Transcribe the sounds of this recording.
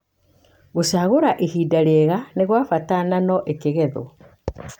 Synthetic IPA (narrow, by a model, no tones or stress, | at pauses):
ɣosaɣoɾaʔehiːdaɾɛɣaneɣwafatananɔʔekeɣɛðo̰